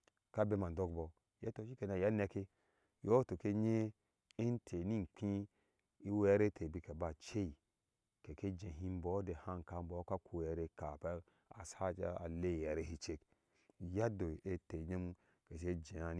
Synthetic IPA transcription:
ka˦be˦ma˨n˨do˦kbɔ˨ | je˦to˨ʃi˦ke˨na˨ja˦ne˨˦ke˦ | jo˦to˨ke˦ɲe˦ | e˦n˦tʰe˨ni˦n˨k͡pʰĩ˦ | i˦wɛ˦ɾe˦tʰe˨bi˦ke˨ba˨t͡ʃe˦i˨ | ke˨ke˦d͡ʒẽ˨ɦĩ˦m˦bɔ˨˦de˨ha˦˨ŋ˨ka˨m˦bɔ˨˦ka˦kʰu˨ɛ˨ɾe˦ka˨pe˦ | a̰˨sa˦t͡ʃa˦a̰˨le˦˨jɛ˨ɾe˦hi˦t͡ʃe˦k | ja˦do˨e˦te˨ɲe˦m | ke˨ʃ̬e˦d͡ʒẽ˨a˨n

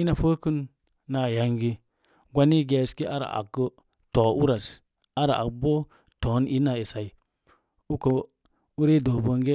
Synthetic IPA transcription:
i˦na˨fə˦kə˦nː | a˨ja˨ŋɡi˦ | ɡʷa˦ni˦ɡe˨ski˦ʔa˦ɾa̰˨ʔa̰˨kːə˦ | toː˨ʔu˦ɾa˨s | a˦ɾa̰˨a̰˨kbo˦ | to˨˦ni˦na˨e˨sa˨i˨ | u˦ko˨ | u˦ɾe˦do˨bo˨ŋɡe˦

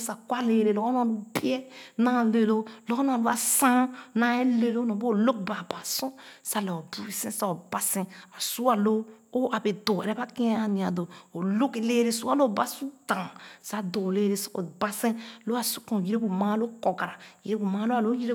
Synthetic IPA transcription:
sa˨kwa˦le˨ɾe˨lɔ˦ko˦na˨u˦bi˦ɛ˦nã˨˦˨le˨lo˦lɔ˦knã˨lo˦a˨sã˦na˨˦e˦le˦lo˦nɔ̃˨bo˦˨lo˦k̚ba˨ba˨sõ˦sa˦˨lo˨o˨bu˦e˨sẽ˦sa˨o˨ba˨sẽ˦a˨su˦a˨loː˦ʔa˨be˨do˨ɛ˨ɾɛ˦ba˦kĩ˦a˨ni˨a˨do˨o˨lo˦ke˨le˦ɾe˦su˦a˦lo˦˨ba˨su˦dã˨sa˦do˨le˦ɾe˨so˨ba˨sẽ˦lo˦a˨su̥˦kõ˨ji˦ɾe˦bu˨mã˦lo˦ko˨ɡa˨ɾa˨ji˨ɾe˦bu˨ma˦lo˦a˨lo˦ji˦ɾe˦

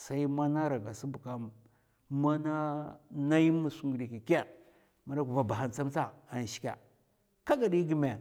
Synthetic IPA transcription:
sa˦i˦ma˦na˦ɾa˨ɡa˨si˦bu˨ka˦m | ma˦na˦na˦ji˦mu˨su˦ŋɡu˨di˨ki˨ka˦˨ | ma˨da˦ku˨va˨ba˨ɦa˨nt͡sa˦mt͡sa˦a˨n˨ʃi̥˦kʲa̰˨ | ka˦ɡa˨di˦ɡi˦me˨

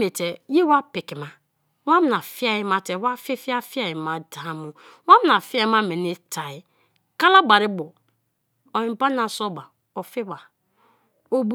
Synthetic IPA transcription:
me˨te˨je˦wa˦pɪ˨ki˨ma˦ | wa˦m˨na˨fi˦a˦ji˦ma˦te˨˦wa˦fi˦fi˦a˦fi˦a˨ji˨ma˨da˨a˦mu˨ | wa˦m˨na˨fi˦a˦ma˦me˨ni˦tʰa˨i˦ | ka˦la˦ba˨ɾɪ˦bɔ˨ | o˨ĩ˨pa˦na˨so˦ba˨ | o˨fi˦ba˨ | o˨b

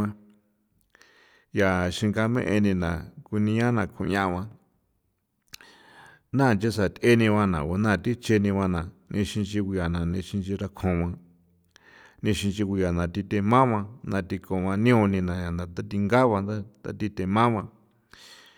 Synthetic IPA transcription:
ã˧ | ja˨ʃĩ˧ŋɡa˧mḛ̃˦ʔe˧nĩ˧nã˨ku˧nĩ˧˦ã˦nã˧˨kʰṵ̃˧ɲã˧ʔβã˧ | nã˦˨t͡ʃe˦sa˨t̪ʔe˦nĩ˧βã˧nã̰˨o˧nã˦˨t̪i˦t͡ʃe˧nĩ˧βã˧nã˨nĩ˧ʃĩ˧nt͡ʃi˧kʷu˧ja˨nã˨nĩ˧ʃĩ˧nt͡ʃi˧ɾa˧kʰõ˨βã˧ | nĩ˧ʃĩ˧nt͡ʃi˧ku˧ja˨nã˨t̪i˧t̪e˧mã˦βã˧nã˧t̪i˧kõ˨βã˧nĩ˦õ˧nĩ˧nã˨ja˨nã˨t̪a˦t̪i˧ŋɡa˦βã˧nd̪a˦t̪a̰˦t̪i˧t̪e˧mã˦βã˧

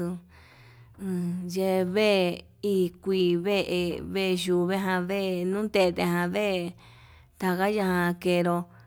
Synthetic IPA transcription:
u˧ | je˧βe˦ | i˦˧kʷiː˧βe˦ʔe˧βe˦˧ʒu˧˨βe˦ɦã˧ðe˦˧nũː˦t̪e˧t̪e˧ɦã˧βe˦ | t̪a˧ɣa˦ja˧hã˧ke˧ɾo˧

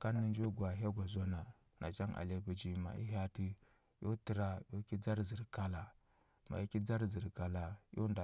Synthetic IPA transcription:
ka˦nːi˦nd͡ʒo˦ɡwa˨ɦa˦ɡʷa˨zo˦na˨ | nʔa̰˨t͡ʃa˦ŋʔa̰˨le˦bu˨d͡ʒi˦ma̰˨ʔḭ˦ɦa˦ti˦ | jo˦ti˨ɾa˦jo˦ki˦d͡za˦ɾzi˨ɾka˦la˨ | ma̰˨i˦ki˦d͡za˦ɾzi˨ɾka˨la˨jo˦nda˨

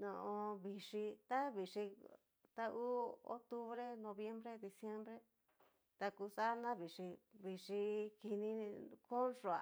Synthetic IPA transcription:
nõ̰˧ʔõ˧βi˨ʂi˧t̪a˦βi˨ʂi˧ | t̪a˦ʔu˦o̰˦t̪u˦βɾe˦nõ˧βje˦mbɾe˦d̪i˧sje˦mbɾe˦ | t̪a˧ku˧sa˦nã˦βi˨ʂi˧βi˨ʂi˧ki˧nĩ˧ko˦nʂo˨a˨

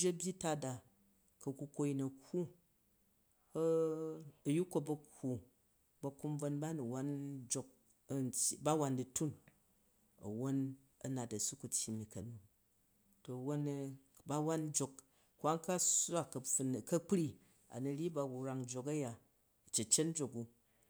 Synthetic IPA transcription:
o˦bʲji˦ta˦da˨ | kɐ˨ku˧ko˧ji˧nɐ˨kːu˦ | ɐ˨ju˦ko˦˧bɐ˧kkːu˦ | bɐ˧ku˦mb͡vo˧nba˦nu˨wa˦nd͡ʒo˧k̚ | ntʲba˦wa˧ndi˨tu˦n | ɐ̰˨wo˦n | ɐ˦na˨tɐ˨su˦ku˨tʲji˨mi˨kɐ˨nu˨ | to˨wo˦n˧ | ba˦wa˦n˦d͡ʒo˧k | kʷa˦ŋka˦sa˦˨kɐ˨fu˨n˨kɐ˦k͡pɾi˦ | a̰˨nu˨ɾʲi˦ba˧wu˨ɾa˧ŋd͡ʒo˧kɐ˦ja˨ | ɐ˨t͡ʃe˨t͡ʃe˦tn˦d͡ʒo˨ku˧

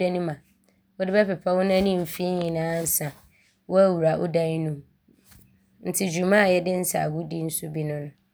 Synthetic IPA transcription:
ɛ˦nĩ˦mã˨ | ʊ˦dɪ˦bɛ˦pɪ˨pʰa˦wʊ˦nã˦nĩ˦m̩˨fi˦ɲɪ̃˨nãː˨˦n̩˦sã˨ | wʊ˦æ˦wu˨ɾa˨ʔʊ̰˦dã˦nũ˦m | n̩˨tʰɪ˨d͡ʑu˨mã˦a˨jɛ˦dɪ˦n̩˦sa̰˨ɡʊ˦di˦n̩˦sʊ˦bi˦nʊ̃˦nʊ̃˦

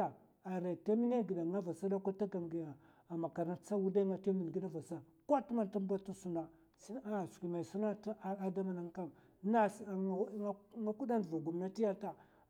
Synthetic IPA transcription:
a˨ | a˨ɾe˨ta˦mi˦ne˦ɡi˨ɗa˨ŋa˦va˨sa˦da˦kʷa˦ta˦ɡa˨mɡi˨ja˨ | a˨ma˨ka˨ɾna˦t͡sa˦wu˦da˦ŋa˨ta˦mi˨n˨ɡi˦ɗa˦va˨sa˦ | ka˦tu˦ma˦nta˦mba˦ta˦su˦na˦ | si˦n˦a˦˨skʷi˨ma˨su˦na˦ta˦da˦ma˨na˦ŋka˦m | na˦˨˦ŋa˦ku˦da˦ndva˨ɡu˨m˨na˦ti˦ja˦ta˦

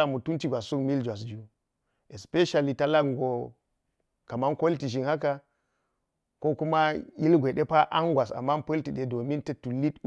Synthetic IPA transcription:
a˨mu˨tu˦nti˨ɡʷa˨ssu˦kmi˦ld͡ʒwa˨s̬d͡ʒu˦ | e˨spe˦ʃa˨li˨ta˦la˦ɡŋ˨ɡo˨ | ka˨ma˦nko˦lti˨ʒi˨nha˦ka˦ | ko˦ku˦ma˦ji˦lɡʷe˨ɗe˦pa˦ʔa˦nɡwa˨sa̰˨mːa˦npə˦lti˨ɗe˨do˨mi˦ntɐ˦tu˨li˦t

